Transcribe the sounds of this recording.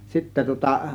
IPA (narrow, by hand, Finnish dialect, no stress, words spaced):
sitːæ tŭŏtɑ